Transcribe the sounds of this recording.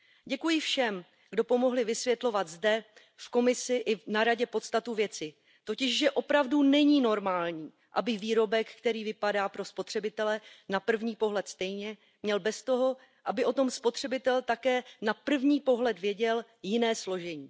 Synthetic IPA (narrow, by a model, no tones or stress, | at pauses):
ɟɛkujɪfʃɛm | ɡdo̞po̞mo̞ɦlɪvɪsvjɛt̪lo̞vad̪zdɛ | fko̞mɪsɪʔɪnaɾaɟɛpo̞t̪st̪at̪uvjɛt͡sɪ | t̪o̞cɪʃʒɛʔo̞pɾavdunɛɲiːno̞ɾmaːlɲiː | ʔa̰bɪviːɾo̞bɛkːkt̪ɛɾiːvɪpadaːpɾo̞spo̞t̪r̝̥ɛbɪt̪ɛlɛnapr̩vɲiːpo̞ɦlɛt̪st̪ɛjɲɛ | mɲɛlbɛst̪o̞ɦo̞ | ʔabɪʔo̞t̪o̞mspo̞t̪r̝̥ɛbɪt̪ɛlt̪akɛːnapr̩vɲiːpo̞ɦlɛt̪vjɛɟɛl | jɪnɛːslo̞ʒɛɲiː